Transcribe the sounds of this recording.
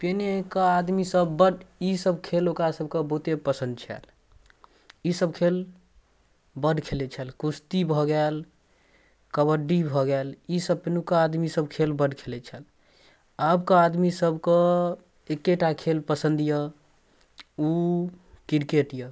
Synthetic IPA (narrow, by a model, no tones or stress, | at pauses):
penekəad̪misəbːəɖisəbʱkʰelokɾasəbkəbəɦut̪epəsə̃nd̪̚t͡ʃʰɛ̰l | isəb̚kʰel | bəɖkʰelet͡ʃʰɛlkust̪ibʱɔɡɛl | kəβəɖibʱɔɡɛlisəb̚penukəad̪misəbkʰelbəɖkʰelet͡ʃʰɛl | abkəad̪misəbkə | ekːeʈakʰelpəsənd̪jə | u | kiɾkeʈjə